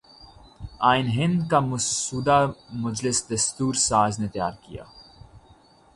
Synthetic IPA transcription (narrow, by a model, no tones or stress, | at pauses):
aːɪnɦɪ̃nd̪kamʊsuːd̪amʊd͡ʒlɪsd̪ɐst̪uːɾsaːznet̪jaːɾkija̰ː